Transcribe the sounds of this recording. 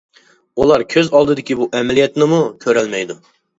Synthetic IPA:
ulˠɑɾkʲʰøzɑlˠd̪ɨd̪ɪkʲibuʔɛmɛlijɛt̪nɪmukʲʰøɾɛlmɛjd̪u

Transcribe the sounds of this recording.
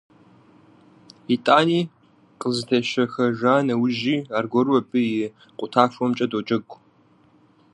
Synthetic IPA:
itʼaːniː | qʼəzɨtʰɐʃɐxɐʒaːnɐwʒiːaːrɡʷɔrwɐbʰʼɨjɪ | qʷʼʊtʰaːʂɔmt͡ʃʼɐdot͡ʃʼɐɡʷ

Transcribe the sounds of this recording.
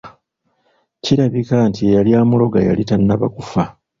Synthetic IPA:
ciɾaβikantiejaljaːmulo̞ɡaja̰litanːaβa̰kufa

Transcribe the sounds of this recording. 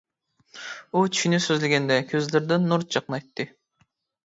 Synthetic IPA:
ut͡ʃ̪ʰy̥ʃynysøzlɪɡʲɛnd̪ɛkʲʰøzlɪɾd̪ɪnːuɾt̪̚d͡ʒɑqnɑjt̪ːɨ

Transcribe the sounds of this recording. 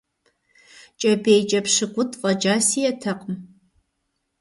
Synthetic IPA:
t͡ʃʼɐbejt͡ʃʼɐpʂɨkʷʊtʰʼfʼɐd͡ʒaːsiːjɛtʰɐqʼm

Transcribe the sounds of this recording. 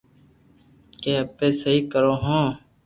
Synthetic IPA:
keːəpeːsəɦiːkəɾõːɦõː

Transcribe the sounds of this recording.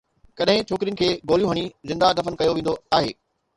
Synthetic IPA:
kɐɗɦɪ̃t͡ʃʰoːkɾijənɪ̆kʰeːɡoːljũɦɐɽ̃izɪ̃nd̪ad̪ɐfənkɐjoʋẽːn̆d̪oaːɦḛː

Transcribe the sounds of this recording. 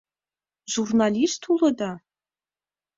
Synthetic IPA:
ʒurnalistʰulɐda

